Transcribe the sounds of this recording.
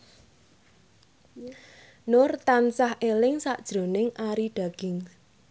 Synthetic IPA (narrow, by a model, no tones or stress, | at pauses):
nʊrt̪ansahʔelɪŋsaʔd̥ʒ̥ɾo̤nɪŋʔaɾiɖ̥ä̤ɡ̥ɪ̤ŋ